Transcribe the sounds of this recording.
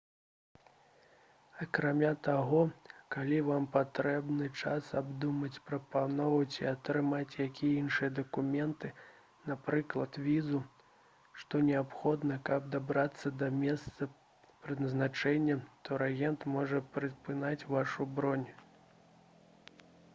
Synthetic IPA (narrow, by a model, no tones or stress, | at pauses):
ɐkɾamʲat̪aɣɔkalʲivampat̪ɾɛbnɨt͡ʂasabd̪umɐt͡sʲpɾɐpanɔvɐt͡sʲiat̪ɾɨmat͡sʲjakʲijɛinʂɨjɐd̪ɐkumʲɛnt̪ɨ | napɾɨklˠɐt̪vʲizu | ʂt̪ɔnʲɛapxɔd̪nɐkɐb̚d̪abɾat̪sːɐd̪ɐmʲɛst̪sɐ | pɾɨd̪nɐznat͡ʂɛnʲːɛt̪ʰɔɾaɣʲɛnt̪mɔʐɐpɾɨpɨnat͡sʲvaʂubɾɔnʲ